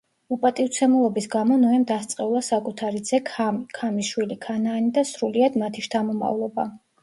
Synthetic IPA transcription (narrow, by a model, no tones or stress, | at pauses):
upʼat̪ʼivt̪sʰɛmulˠɔbisɡamɔnɔɛmd̪ast̪sʼqʼɛulˠasakʼut̪ʰaɾid̪zɛkʰamiʃwilikʰanaːnid̪asɾuliad̪mat̪ʰiʃt̪ʰamɔma̰vlˠɔba̰